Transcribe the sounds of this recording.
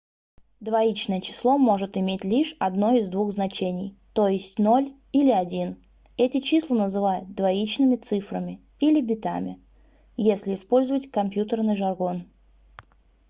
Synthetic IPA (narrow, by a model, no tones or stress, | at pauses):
d̪vɐit͡ɕnəjət͡ɕɪ̥slˠo̞mo̞ʐɨt̪ɪmʲetʲlʲiʂɐd̪no̞ɪzd̪vuxznɐt͡ɕenʲɪjt̪o̞jɪsʲtʲno̞lʲ | ilʲɪɐdʲin | ɛtʲɪt͡ɕislˠənəzɨvajʊt̪̚d̪vɐit͡ɕnɨmʲɪt̪sɨfɾəmʲɪ | ilʲɪbʲɪt̪a̰mʲɪ̰ | jesʲlʲɪːspo̞lʲzʊvətʲkɐmʲpʲjut̪ərnɨjʐɐrɡo̞n